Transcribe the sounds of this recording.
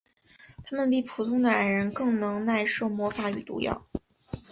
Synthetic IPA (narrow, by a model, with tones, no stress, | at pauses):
t̪ʰa˥mə˨np̬i˥˩pʰu˨˩t̪ʰʊ˥ŋd̪ə˨a˨˩ɪɻə˧˥nkɤ˥˩ŋnɤ˧˥ŋna˥˧ɪʂo˥˩ʊmwɔ˧˥fa˧˥y˨˩t̪ṵ˧˥jɑ̰˥˩ʊ